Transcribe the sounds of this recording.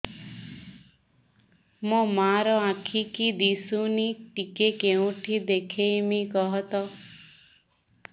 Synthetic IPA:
mũmaɾɔãkʰikid̪isuniʈikekeũʈʰid̪ekʰemikɔɦɔt̪ɔ

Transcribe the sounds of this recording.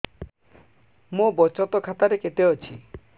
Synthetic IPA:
mobɔt͡ʃɔt̪ɔkʰat̪aɾeket̪eɔt͡ʃʰi

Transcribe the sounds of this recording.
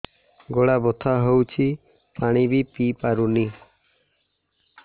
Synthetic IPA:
ɡoɽabɔt̪ʰaɦowt͡ʃʰi | paɽ̃ibipipaɾuni

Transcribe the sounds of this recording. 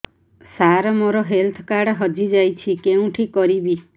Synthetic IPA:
saɾɔmoɾɔɦelt̪ʰɔkaɽɦɔd͡ʒid͡ʒajt͡ʃʰikeũʈʰikɔɾibi

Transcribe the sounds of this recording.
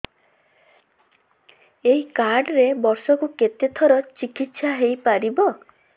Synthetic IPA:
eɦikaɾɖɾebɔɾsɔkuket̪et̪ʰɔɾɔt͡ʃikit̪saɦejpaɾibɔ

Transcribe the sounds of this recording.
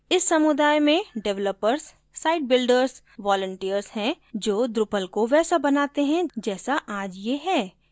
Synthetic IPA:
ɪsːɐmʊd̪aːjmẽɖɛʋləpəɾsː | aːɪʈ̚bɪlɖəɾz | ʋɔːlə̃ɳʈijəɾshɛ̃ | d͡ʒoːd̪ɾʊpəlkoʋɛːsabɐnaːt̪eɦɛ̃d͡ʒɛːsaʔaːd͡ʒjeɦɛː

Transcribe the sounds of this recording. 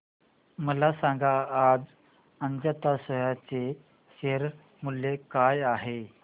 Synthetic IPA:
məlasãŋɡaːd͡z | əɲd͡zat̪asəjat͡se | ɕeɾ | mulːekajaɦe

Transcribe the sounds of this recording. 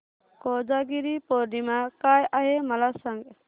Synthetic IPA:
kɔd͡ʒaɡiɾipɔɾɖimakajaɦɛmɐlasaŋɡ

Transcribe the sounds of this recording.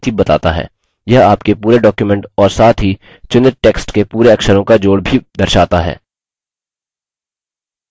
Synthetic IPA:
t̪ʰibɐt̪a̰ːt̪a̰ɦɛ̰ː | jɐɦaːpkepuːɾeɖɔːkjumɛ̃ɳʈɔːɾsaːt̪ʰɦi | t͡ʃʊnɪɾʈeːksʈkepuːɾeɐkʃəɾõkad͡ʒoːɽbʱid̪ɐɾʃaːt̪aɦɛ̰ː

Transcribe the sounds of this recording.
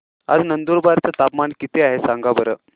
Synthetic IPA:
a̰d͡znənd̪uɾbaɾt͡sət̪apmankit̪ʰeaɦesãŋɡabəɾəː

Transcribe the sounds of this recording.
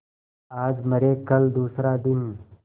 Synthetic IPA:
aːd͡ʒmɐɾeːkɐld̪uːsɾaːd̪ɪn

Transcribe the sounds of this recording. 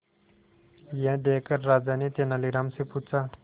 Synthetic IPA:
jẽd̪eːkəɾːaːd͡zanet̪enaliɾamsiput͡sa

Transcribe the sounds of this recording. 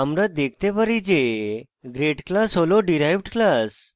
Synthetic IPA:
əmɾəd̪ek̚ʰt̪eʋəɾid͡ʑe | ɡɾeʈklasɦoloɖiɾajʋɖklas

